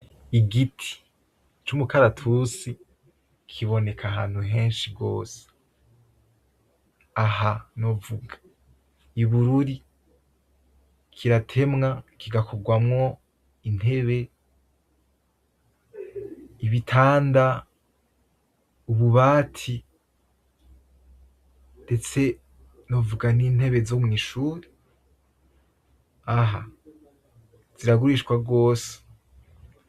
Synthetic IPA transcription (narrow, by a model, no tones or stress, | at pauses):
iɡitʰi̥ | t͡ʃumukaɾatʰusi | kʰiβo̞ne̞kʰaɦaːn̥huɦe̞ːnʃiɡo̞ːse̥ | aɦano̞vuɡḁ | iβuɾuɾi | kʰiɾatʰe̞mŋakʰiɡakʰo̞ɡwamŋo̞ | in̥he̞βe̞ | iβitʰaːnda | uβuβaːtʰi | nde̞t͡se̞ | novuɡaniːn̥e̞βe̞zomŋiːʃuːɾi | aɦa | z̥iɾaɡuɾiʃkwaɡo̞ːse̥